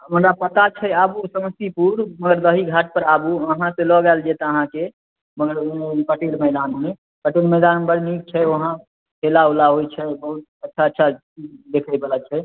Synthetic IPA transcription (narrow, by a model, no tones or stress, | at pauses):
mənɾapət̪at͡ʃʰɛabusəməst̪ipuɾməɡəɾd̪əɦiɡʱaʈ̚pəɾabuəɦãselɔɡald͡ʒet̪əɦãke | məɡəɽepəʈiɽməɪd̪anme | pəʈiɽməjd̪anbəɽnik̚t͡ʃʰɛoɦã | helaulaɦojt͡ʃʰɛbəɦut̪̚ətːʃʰaətːʃʰat͡ʃid͡ʒd̪ekʰəbelət͡ʃʰɛ